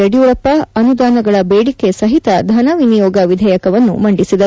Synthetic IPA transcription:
ɐɽijuɾɐpːɐɐnud̪aːnɐɡɐɭɐbeːɽike̞sɐɦit̪ɐd̪ʱɐnɐʋinijɔːɡɐʋid̪ʱɛːjɐkɐʋɐnːṵmɐɳɖisid̪ɐ

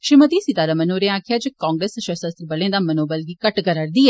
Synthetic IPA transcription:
ʃɪmət̪isit̪aːɾamənoːɾẽãːkʰjad͡ʒəkãːŋɡɾesʃəsəst̪ɾbəlẽd̪amɐnoːbəlɡikɐʈɡəɾəɾd̪iːɛ

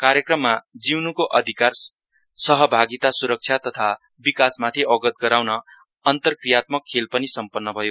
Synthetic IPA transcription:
kaɾjekrʌmːad͡ziwnukoʔʌd̪ʱikar | sʌɦʌbʱaɡit̪asuɾʌk̚t͡ʃʰjat̪ʌt̪ʰa | bikasmat̪ʰiʔʌɡʌt̪̚ɡʌɾawnʌː | nt̪ʌrkrijat̪̚mʌkʰːelpʌnisʌmpʌnːʌbʱʌjo

